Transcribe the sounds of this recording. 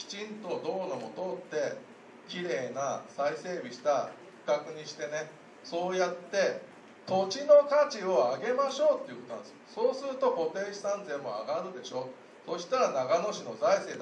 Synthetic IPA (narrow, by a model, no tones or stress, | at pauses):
kʲi̥t͡ɕĩnt̪o̞d̪o̞ːnomo̞t̪o̞ːt̪ːe̞ | kʲiɾe̞ːnasaise̞ːbʲiɕi̥t̪a | i̥kakɯ̟ɲ̟iɕi̥t̪e̞ne̞ | so̞ːjat̪ːe̞ | t̪o̞t͡ɕino̞kat͡ɕio̞aɡe̞maɕo̞ːt̪ːe̞iɯ̟kot̪onãd̪sjoso̞ːsɨɾɯ̟t̪o̞ko̞t̪e̞ːɕi̥sãnzẽ̞mːo̞̰a̰ɡaɾɯ̟d̪e̞ɕo̞ː | so̞ɕi̥t̪aɾanaɡano̞ɕino̞zaise̞ːd̪